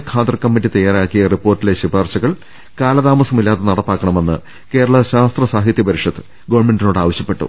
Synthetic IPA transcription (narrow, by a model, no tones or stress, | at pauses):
kʰaːt̪rɐkːɐmːitːit̪ɐjaːɾaːkːijɐripːo̞ːrtːileɕibaːrɕɐɣɐɭ | kaːlɐðaːmɐsɐmilːaːðenɐɽɐpːaːkːɐɳɐme̞nːɨ̰ | ke̞ːɾɐɭɐɕaːst̪rɐsaːɦit̪jɐpɐɾiʂɐðɨ | ɡɐʋɐɳme̞ndino̞ːɽɨaːʋɐɕjɐpːe̞ʈːṵ